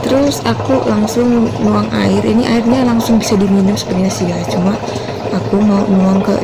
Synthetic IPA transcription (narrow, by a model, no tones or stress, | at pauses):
t̪əɾʊsakulaŋsʊŋnuaŋa̰ɪriniʔairɲalaŋsʊŋbisadiminʊmsə̥pərɲasijat͡ʃumaː | kumaunuaŋkə̰